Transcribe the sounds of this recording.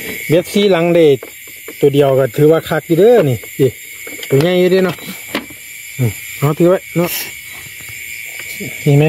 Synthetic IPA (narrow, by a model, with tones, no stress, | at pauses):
be˧˦˥k̚siː˧˥˨la˨˦ŋde˧˩ | t̪u˨˩ədi˨˩əwka˧˩t̪ʰɯː˨˦waː˧kʰa˧˩k̚juː˧dɤː˧˨ni˧˩siː˧˩ | t̪u˧˨˩ɲa˧˥˨jːu˧deː˧˩nɔ˧˩ʔ | ʔɯː˨˩ʔa˧˦˩t̪ʰɯː˧˦ba˧jnɔ˧˨ʔ | miː˧˩ma˧˥j